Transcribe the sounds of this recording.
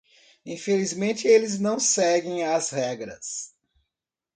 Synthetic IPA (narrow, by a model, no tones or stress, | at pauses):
ĩfelizmẽnt͡ʃɪelɪznɐ̃w̃sɛɡẽj̃ɐzhɛɡɾɐ̰s